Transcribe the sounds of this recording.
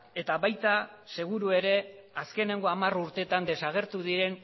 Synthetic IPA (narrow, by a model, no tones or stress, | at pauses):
e̞t̪aβajt̪a | se̞ɣ̞uɾue̞ɾe̞aske̞ne̞ŋɡo̞amaruɾt̪e̞t̪and̪e̞saɣ̞e̞ɾt̪uðiɾe̞n